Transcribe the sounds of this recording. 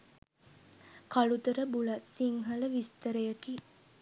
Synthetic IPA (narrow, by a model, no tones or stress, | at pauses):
kalut̪əɾəbulat̪siŋɦaləʋist̪əɾəjaki